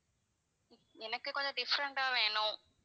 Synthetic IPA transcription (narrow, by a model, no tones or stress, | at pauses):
ɛnɐkːɨkɔɲd͡ʑɐɖifɐɾɐɳʈaːʋeːɳu